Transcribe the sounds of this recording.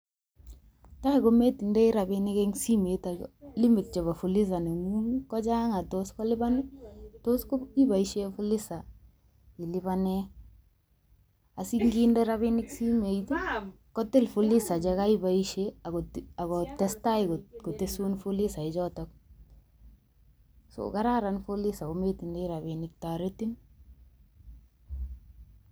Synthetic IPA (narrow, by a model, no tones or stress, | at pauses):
taɪkometindɛiɾabɪnɪkɛŋsimetalɪmɪt̚t͡ʃɔβafulis̬aneŋuŋkɔt͡ʃaŋatoskɔlɪbanɪtoskoibaiʃefʊlɪsa | ɪlɪbanɛ | asiŋɡindɛɾaβɪnɪksimeit | kɔtɪlfulɪsad͡ʒakaibaiʃeaaɡɔtɛstaɡkotesunfulisaɪd͡ʒɔtɔk̚ | so̰kaɾaɾanfolɪsaɡometindeɾabinɪk̚taɾetin